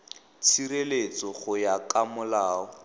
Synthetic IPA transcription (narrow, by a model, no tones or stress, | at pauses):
t͡sʰirelet͡sɔχʊjakamʊlaːɔ